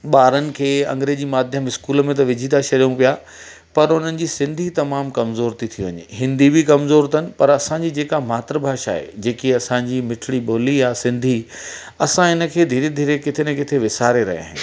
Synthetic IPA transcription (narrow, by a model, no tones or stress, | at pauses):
ɓaːɾənɪ̆kʰeːɐ̰̃ŋɡɾeːd͡ʑiːmaːd̪ʱjəmɪskuːləmẽt̪ɐʋɪd͡ʑʱit̪ʰaʃɐɾijũpija | pɐɾʊn̤ənɪ̆d͡ʑiːsɪ̃nd̪ʱit̪ɐmaːmkɐmzoːɾt̪it̪ʰijuʋɐ̰ɲḛɦɪ̃nd̪ibʱikɐmzoːɾt̪ʰənɪ̆pɐɾɐsãɲd͡ʑid͡ʑeːkamaːt̪ɾəbʱaːʃa̰ːɦḛd͡ʑeːkiɐsãɲd͡ʑiːmɪʈʰɪɽiɓoːlijasɪ̃nd̪ʱi | ɐsãɦɪnə̆kʰeːd̪ʱiːɾed̪ʱiːɾekɪt̪ʰenẽkɪt̪ʰeʋɪsaːɾeɾɐ̰ɦḭea̰ːɦɪ̃nɪ